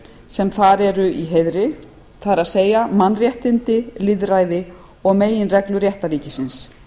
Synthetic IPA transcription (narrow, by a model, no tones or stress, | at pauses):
sɛmθaɾɛɾʏiɦeðɾɪ | θaðɛɾaðseːjamanrjɛht̪ɪnt̪ɪlɪðɾajðɪ | ɔɣmeːjɪnrɛklʏɾjɛht̪aɾiːcɪsɪns